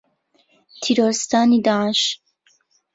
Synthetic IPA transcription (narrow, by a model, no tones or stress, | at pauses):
t̪ʰiɾɔɾist̪aːnid̪aʃ